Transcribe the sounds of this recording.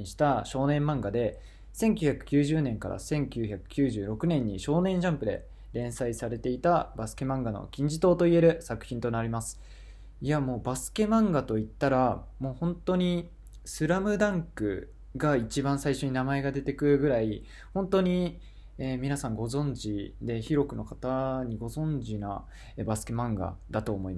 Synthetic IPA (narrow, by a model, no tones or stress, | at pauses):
iɕi̥t̪aɕo̞ːnẽ̞mːãŋɡad̪e̞ | sẽ̞ŋkʲɨçakɯ̟̥kʲɨːʑɨːnẽ̞ŋka̰ɾa̰sẽ̞ŋkʲɨːçakɯ̟̥kʲɨːʑɨːɾo̞kɯ̟nẽ̞ɲ̟ːḭɕo̞ːnẽ̞ɲ̃d͡ʑãmpɯ̟d̪e̞̰ | ɾẽ̞ɰ̃saisaɾe̞t̪e̞it̪abasɨ̥ke̞mãŋɡano̰kʲĩɲ̟d͡ʑit̪o̞ːt̪o̞ie̞ɾɯ̟sakɯ̟̥çĩnt̪o̞naɾʲimasɨ̥ | iamo̞ːbasɨ̥ke̞mãŋɡat̪o̞it̪ːaɾamo̞ːhõ̞nt̪o̞ɲ̟i | sɨɾamɯ̟d̪ãŋkɯ̟̰ | ɡait͡ɕibãɰ̃saiɕo̞ɲ̟inamae̞ɡad̪e̞t̪e̞kɯ̟ɯɡɯ̟ɾai | hõ̞nt̪o̞ɲ̟i | eːmʲinasãŋɡo̞zõ̞ɲ̟d͡ʑid̪e̞çiɾo̞kɯ̟no̞kat̪aɲ̟iɡo̞zõ̞ɲ̟d͡ʑina̰ | ebasɨ̥kemãŋɡa̰d̪at̪oːmo̞ima